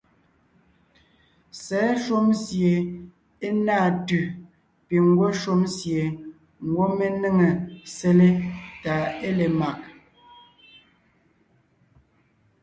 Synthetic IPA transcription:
sɛ˨˦ʃu˦msje˨ | e˦naː˦˨tʉ˨ | pi˨ŋ̩˦ɡwo˦ʃu˦msje˨ | ŋ̩˨ɡwo˦me˦ne˦ŋe˨se˦le˦ta˨e˦le˨ma˨ʔ

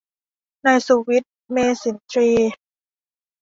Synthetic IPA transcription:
naː˧jsuː˧wi˦˥t̪̚meː˧si˨˩˦nt̪ʰɾiː˧

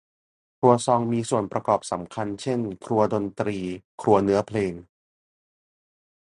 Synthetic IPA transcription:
t̪ʰu˧ɐsɔː˧ŋmiː˧su˨˩ənpɾa˧kɔː˨˩p̚sa˩˦mkʰa˧nt͡ɕʰe˥˩nkʰɾu˧ɐdo˧nt̪ɾiː˧kʰɾu˧ɐnɯ˦˥ɐpʰleː˧ŋ

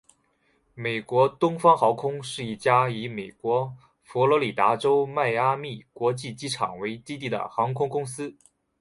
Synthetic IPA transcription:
me˨˩ɪkwɔ˧˥t̪ʊ˥ŋfɑ˥ŋxɑ˧˥ʊkʰʊ˥ŋʂɻ̩˥˧i˥˩t͡ɕja˥i˧˥me˨˩ɪkwɔ˧˥ | fɔ˧˥lwɔ˧˥li˨˩t̪a̰˧˥ʈ͡ʂo˥ʊma˥˩ɪa˥mi˥˩kwɔ˧˥t͡ɕi˥˩t͡ɕi˥ʈ͡ʂʰɑ̰˨˩ŋwe˧˥ɪt̪i˥t̪i˥˩d̪ə̰˩xɑ˧˥ŋkʰʊ˥ŋkʊ˥ŋsɹ̩˥

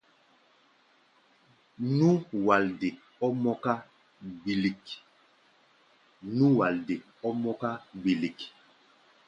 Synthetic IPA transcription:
nu˦wa˨lde˨ | ɔ˦mɔ˦ka˦ | bi˨li˨k | nũ˦wa˨lde˨ | ɔ˦mɔ˦ka˦bi˨li˨k

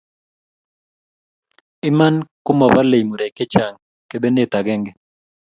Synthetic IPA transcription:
ɪ˦ma˦nkʊ˦ma˨ba˦le˨jmu˨ɾɛ˨kɛ˦t͡ʃa˨ŋ | ke˨be˦ne˦˨t̪a˨ɡɛ˦ŋɡɛ˨

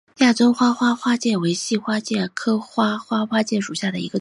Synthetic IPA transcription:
ja˥˩ʈ͡ʂo˥ʊxwa˥xwa˥xwa˥t͡ɕjɛ˥˩we˧˥ɪɕi˥˧xwa˥t͡ɕjɛ˥˩kʰɤ˥xwa˥xwa˥xwa˥t͡ɕjɛ˥˩ʂu˨˩ɕja˥˩d̪ə˩i˧˥ɡə˧

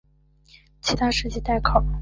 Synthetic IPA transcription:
t͡ɕʰi˧˥t̪ʰa˥ʂɻ̩˥˧t͡ɕi˥˧t̪a˥˩ɪkʰɑ˨˩˦

